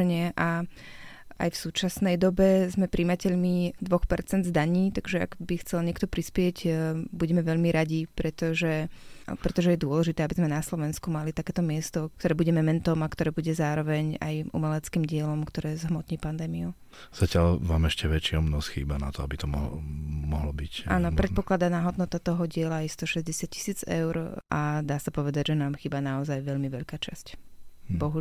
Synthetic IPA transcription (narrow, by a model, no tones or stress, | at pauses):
ɲɪɛʔa | ʔa̰jfsuːt͡ʃasnɛjd̪ɔbɛzmɛpɾʔiːmacɛʎmid̪ʋɔxpɛɾt͡sɛnd̪zd̪aɲiːt̪aɡʒɛa̰ɡbixt͡sɛlɲɪɛkt̪ɔpɾispɪɛɟbuɟɛmɛʋɛʎmiɾaɟipɾɛt̪ɔʒɛpɾɛt̪ɔʒɛjɛd̪ʊɔlɛʒit̪ɛːabizmɛnaslɔʋɛnskumalit̪akɛːt̪ɔmɪɛst̪ɔkt̪ɔɾɛːbuɟɛmɛmɛnt̪ɔmakt̪ɔɾɛːbuɟɛzaːɾɔʋɛɲa̰jʔṵmɛlɛt͡skiːmɟɪɛlɔmkt̪ɔɾɛːzɦmɔt̪ɲiːpand̪ɛːmiu | z̥acɪaʎʋaːmɛʃcɛʋɛt͡ʃɪɔmnɔsxḭːbana̰t̪ɔabit̪ɔmɔ̰mɔɦlɔbicʔa̰ːnɔpɾɛt̪pɔklad̪anaɦɔd̪nɔt̪at̪ɔɦɔɟɪɛlajst̪ɔʃɛzɟɛsɪac̚cʰi̥siːd͡zɛ̰ʊɾʔad̪aːsapɔʋɛd̪aɟʒɛnaːmxiːbanaɔzajʋɛʎmiʋɛʎkaːt͡ʃascbɔɦu